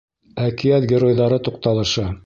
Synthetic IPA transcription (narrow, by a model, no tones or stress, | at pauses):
ækijæt̪ɡʲɪɾojðɑɾɤt̪uq̚t̪ɑlˠɤ̆ʃɤ